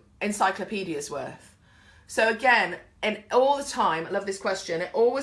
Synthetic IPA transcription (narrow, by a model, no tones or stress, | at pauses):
ɪ̃nsaɪkləpʰiːɾiəzwɜ̰ˑθ | soʊəɡɛ̃n | ɪ̃nʔɔːlˠðətʰãɪ̃maɪlʌvðɪskʰw̥ɛst͡ʃə̃nɪʔɔːlˠwɪ